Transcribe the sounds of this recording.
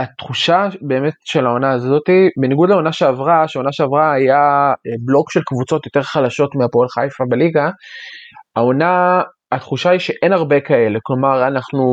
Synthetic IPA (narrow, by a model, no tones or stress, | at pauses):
at̪χuʃabe̞ːme̞tʃe̞lao̞naːzo̞tibeniɡudlao̞naʃeavʁaʃeaonaʃeavʁaajaeblo̞kʃe̞lkvut͡so̞tjote̞ʁχalaʃo̞tmeapoelχajfabeliɡa | ao̞na | at̪χuʃaiʃe̞ʔe̞naʁbe̞kae̞le̞klo̞maʁanaχnu